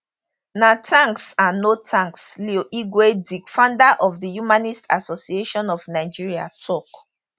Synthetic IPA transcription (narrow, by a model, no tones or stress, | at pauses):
natʰãŋksãnːotʰãŋkslioʔiɡwedikfãndaʔɔvðəjumanistasɔsieʃɔ̃nɔvnaɪd͡ʒiɹia̰tʰɔk